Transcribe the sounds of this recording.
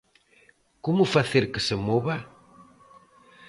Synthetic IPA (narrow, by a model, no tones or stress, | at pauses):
komʊfaθeɾkɪsemoβa